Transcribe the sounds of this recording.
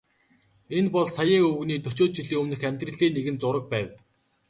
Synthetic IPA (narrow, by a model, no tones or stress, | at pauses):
enpɔɮsajəːɵɣniːt̪ɵt͡ɕoːt͡ɕiɮiːŋɵmnɘ̆xæmʲt̪rɘ̆ɮiːneɣɘ̆nt͡sʊɾə̆k̚pæːw